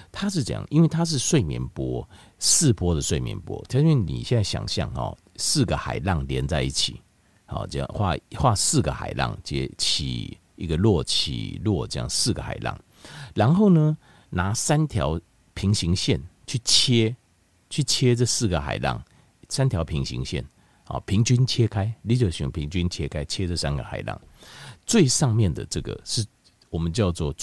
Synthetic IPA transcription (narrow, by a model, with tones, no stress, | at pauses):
t̪ʰa˦ʂ̬ɻ̩˥˩t͡sə˧˦jɑ̰˨ŋʔḭ˧˥nwe˥˩ɪt̪ʰa˥˦ʂ̬ɻ̩˥˧swe˥˨ɪmjɛ̰˧˦npwɔ˦ | sɹ̩˥˨pwɔ˥d̪ə˨swe˥˩ɪmjɛ̰˧˦npwɔ̰˦˧˥ɛ˥˩nḭ˨˩ɕjɛ˥˧nt͡sa˥˩ɕja̰˨˩ŋɕjɑ̰˨ŋhɔ̰˨˩ | sɹ̩˥˩ɡə˨xa̰˨˩ɪlɑ˥˩ŋljɛ˧˦nt͡sa˥˧ɪḭ˥˩t͡ɕʰi˨˩ | hɔ̰˨˩t͡ɕə˧jɑ̰˥˨˩xwa̰˥˧xwa˥˧˨sɹ̩˥˨ɡə˩xa̰˨˩ɪlɑ̰˥˩ŋt͡ɕjɛ̰˧˦t͡ɕʰḭ˨˩ | i˧˥ɡə˨lwɔ˥˨t͡ɕʰḭ˨˩lwɔ˥˨t͡ɕə˥˧jɑ̰˥˨ŋsɹ̩˥˩ɡə˩xa̰˨˩ɪlɑ̰˨˩ŋ | la˧˦nxo˥˩ʊnə˦ | na˨˥sa˦nt̪ʰjɑ˧˦ʊ | pʰi˧˥ŋɕi˧˦˥ŋɕjɛ˥˨nt͡ɕʰy˥˩t͡ɕʰje˦˥ | t͡ɕʰy˥˩t͡ɕʰje˦t͡sɤ˥˧sɹ̩˥˩ɡə˩xa̰˨˩ɪlɑ̰˥˩ŋ | sa˥˦nt̪ʰjɑ˨˦ʊpʰi˧˥ŋɕḭ˧˦ŋɕjɛ̰˥˨n | hɔ̰˨˩pʰi˨˦˥ŋt͡ɕy˦nt͡ɕʰje˦kʰa˥ɪli˧˥˦t͡ɕo˨˩ɕy̰˨˦ŋpʰi˧˥ŋt͡ɕy˦nt͡ɕʰjɛ˦kʰa˥˦ɪt͡ɕʰjɛ˦t͡sə˥˧˨sa˦nɡə̰˨xa̰˨˩ɪlɑ̰˥˩ŋt͡swe˥˧ɪʂɑ˥˧ŋmjɛ˥˨nd̪ə̰˨t͡sɤ˥˧˩ɡə̰˨˩ʂɻ̩˥˩ | wɔ˨˩mə˨˦nt͡ɕjɑ˥˧ʊt͡swɔ˥˨